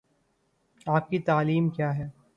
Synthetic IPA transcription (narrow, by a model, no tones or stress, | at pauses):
aːp̚kit̪aːliːmkjaːɦɛː